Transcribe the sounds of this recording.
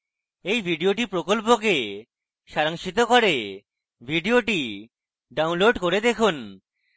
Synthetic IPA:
ejbʱiɖioʈipɾokolp̬ok̬e | ʃaɾaŋʃit̪̬okoɾe | bʱiɖioʈi | ɖawnloɖkoɾed̪ekʰun

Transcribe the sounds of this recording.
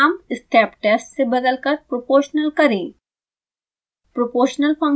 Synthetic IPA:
mɪsʈʰɛːpʈɛːsʈsebɐd̪əlkəɾpɾopoːʃnəlkɐɾẽ | pɾopoːʃnəlpʰɐ̃ŋ

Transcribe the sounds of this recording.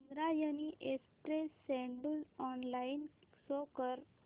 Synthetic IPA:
nɾajəniʔespɾesɛ̃ɳɖulɔnlainsokəɾ

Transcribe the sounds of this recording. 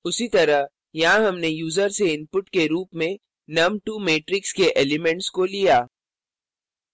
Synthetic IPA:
ʊsit̪ɐɾəɦ | jɐɦãɦɐmnejuːzəɾseɪ̃npʊʈkeɾuːpmẽ | nɐmʈumeːʈɾɪkskeʔeːlɪmɛ̃ɳʈskolijaː

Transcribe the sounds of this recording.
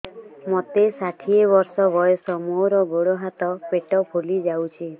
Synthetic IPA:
mot̪esaʈʰiebɔɾsɔbɔjɔsɔmoɾɔboɽoɦat̪ɔpeʈɔpʰolid͡ʒawt͡ʃʰi

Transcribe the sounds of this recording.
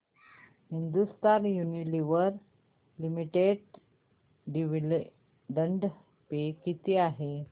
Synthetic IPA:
hind̪ust̪aɾjuniliʋəɾ | limiʈeɽ | ɖiʋil | ɖəɳɖ | pekit̪iaɦe

